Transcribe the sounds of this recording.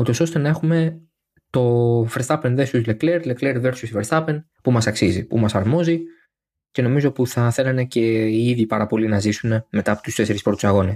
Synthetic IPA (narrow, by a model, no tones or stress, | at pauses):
ut̪o̞so̞st̪e̞nɐe̞xume̞ | t̪o̞fest̪ɐpenðesuzlekleɾlekleɾve̞ɾsusfeɾst̪ɐpen | pumɐsɐksizipumɐsɐɾmo̞zi | ce̞no̞mizo̞puθɐθe̞lɐnece̞iðipɐɾɐpo̞linɐzisune̞me̞t̪ɐpot̪ust̪e̞se̞ɾispɾo̞t̪u̥sɐɣo̞nes